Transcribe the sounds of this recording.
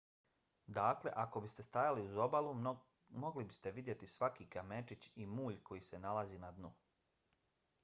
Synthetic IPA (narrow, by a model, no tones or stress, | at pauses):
d̪aːkle̞̰ʔako̞bist̪e̞st̪ajaliuzo̞balu | mo̞ɡlibist̪e̞ʋid̪je̞t̪isʋakiːkamet͡ʃit͡ɕimuːʎko̞jise̞nalaziːnad̪nu